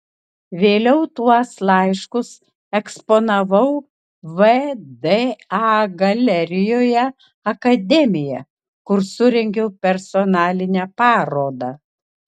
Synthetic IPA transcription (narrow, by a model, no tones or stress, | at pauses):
ʋʲeːlʲɛʊt̪uɔslˠɑɪʃkʊs | ɛksponɐʋɐʊ | ʋɛd̪eɑɡɐlʲɛɾʲɪjoːjɛ | ɐkɐd̪ʲɛmʲɪjɛ | kʊɾsʊɾʲɛŋʲɡʲoʊpʲɛɾsɔnɑːlʲɪnʲæpɑːɾoːd̪ɑ